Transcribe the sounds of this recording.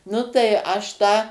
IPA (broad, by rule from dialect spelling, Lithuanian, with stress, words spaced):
ˈnʊ tɐɪ ˈɐʃ tɑː